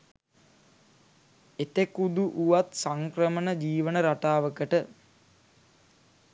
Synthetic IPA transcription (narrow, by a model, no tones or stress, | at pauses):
et̪ekud̪uʔuʋat̪saŋkɾəmənəd͡ʒiːʋənəɾaʈaːʋəkəʈə